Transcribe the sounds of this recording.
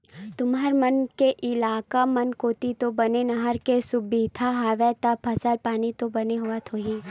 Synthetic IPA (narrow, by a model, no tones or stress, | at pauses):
t̪ʊmɦaːɾmɐnkeʔɪlaːkamɐnkoːt̪it̪obɐnenɐɦəɾkesʊbiːd̪ʱaɦaːʋɛt̪apʰɐsəlpaːnit̪obɐneɦʊat̪ʰoːɦiː